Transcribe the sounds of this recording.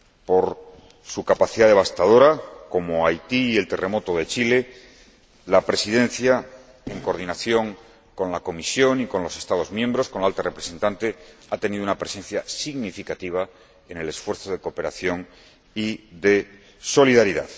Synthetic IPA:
po̞ɾ | sukapaθiðaðe̞β̞ast̪aðo̞ɾako̞moajt̪iːe̞lt̪e̞re̞mo̞t̪o̞ðe̞t͡ʃile̞ | lapɾe̞siðe̞n̟θja | e̞ŋko̞ɾð̞inaθjo̞ŋ | ko̞nlako̞misjo̞niko̞nlo̞se̞st̪að̞o̞zmjẽ̞mbɾo̞sko̞nlaalt̪are̞pɾese̞nt̪ant̪e̞at̪e̞niðunapɾe̞se̞n̟θjasiɣnifikat̪iβ̞a | e̞ne̞le̞sfwe̞ɾθo̞ð̞e̞ko̞pe̞ɾa̰θjo̞ŋ | iðe̞ | so̞liðaɾiða̰ð

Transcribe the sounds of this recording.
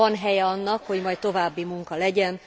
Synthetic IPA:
ɒnɦɛjɛɒnːɒkho̞ɟmɒjt̪o̞vaːbːimuŋkɒlɛɟɛn

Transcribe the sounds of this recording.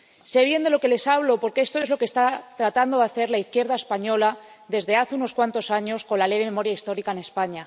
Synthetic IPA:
se̞β̞je̞nd̪e̞lo̞ke̞le̞saβ̞lo̞po̞ɾkee̞st̪o̞e̞zlo̞kest̪at̪ɾat̪and̪o̞ðaθe̞ɾlaiθkje̞ɾð̞ae̞spaɲola | ðe̞zðe̞aθeuno̞skwant̪o̞saɲo̞sko̞nlalejðeme̞mo̞ɾjaist̪o̞ɾikaene̞spaɲa

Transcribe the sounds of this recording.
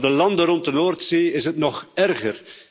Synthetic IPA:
dəlɑndərɔntdənoːrtseːɪzɦətnɔχɛrɣər

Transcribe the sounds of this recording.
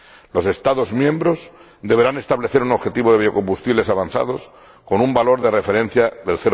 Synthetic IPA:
lo̞se̞st̪aðo̞zmjẽ̞mbɾo̞z | d̪e̞βe̞ɾane̞st̪aβle̞θe̞ɾuno̞βxe̞t̪iβoðeio̞ko̞mbust̪iβle̞saβanθa̰ð̞o̞s | ko̞numbalo̞ɾðe̞re̞fe̞ɾẽ̞n̟θjaðe̞lθeɾ

